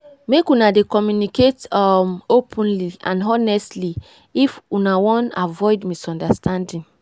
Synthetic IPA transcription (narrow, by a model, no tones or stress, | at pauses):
mekunadekɔmjuniketɔopʰɔ̃nliã̰nɦɔnɛstli | ifunawɔ̃navɔɪdmisɔ̃ndastʰãndĩn